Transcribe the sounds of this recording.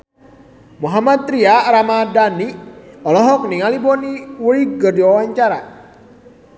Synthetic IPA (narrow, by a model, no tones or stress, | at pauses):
muɦamat̪̚ːɾiaɾamadaniɔlɔɦɔk̚niŋalibɔniwuiɡərdiwawaɲt͡ʃaɾa